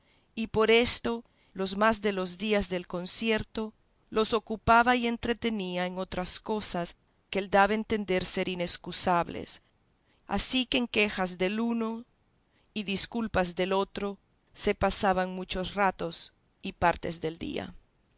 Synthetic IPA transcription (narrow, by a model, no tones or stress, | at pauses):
ipo̞ɾe̞st̪o̞ | lo̞zmazðe̞lo̞zðiazðe̞lko̞nsje̞ɾt̪o̞ | lo̞so̞kupaβaie̞nt̪ɾe̞t̪e̞niaeŋo̞t̪ɾasko̞sas | keeld̪aβaent̪e̞nd̪e̞ɾseɾineskusaβlḛs | a̰sikeːŋkexazðe̞luno | iðiskulpazðe̞lot̪ɾo̞ | se̞pasaβaŋmut͡ʃo̞srat̪o̞s | ipaɾt̪e̞̰zðe̞ld̪ḭa̰